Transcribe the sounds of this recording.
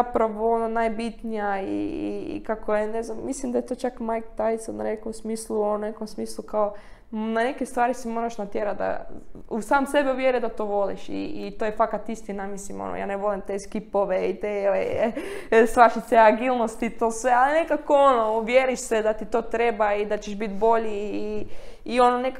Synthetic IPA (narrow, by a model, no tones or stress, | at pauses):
apɾaʋoononajbit̪nijaḭkakʰojene̞znammislimd̪ajet̪o̞ːt͡ʃakmajkt̪ajsonnanekomsmiːslˠuonekomsmiːslˠukao | nane̞kest̪ʋaːɾisimo̞ːɾaʃnat̪jeɾad̪a̰usaːmse̞bɛuʋjeɾed̪at̪o̞ʋo̞lḭʃḭit̪ojefakat̪ist̪inamislimo̰no̰ja̰ːneʋo̞limt̪eskipoʋeit̪eoe | st̪ʋaʃit̪seaɡilˠnost̪it̪oːsʋealine̞kakoonoʋjeɾiʃsed̪at̪it̪o̞ːt̪ɾebaid̪at͡ʃeʒbit̪bo̞ʎiː | o̞nonek